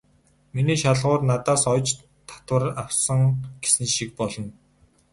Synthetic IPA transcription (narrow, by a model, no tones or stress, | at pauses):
miniːʃaɮʁʊːrnat̪aːsɔjt͡ɕ | t̪ʰḁt̪wə̆rawsə̆ŋɡ̥e̥sɘnɘ̆ʃik̚pɔɮɞ̆n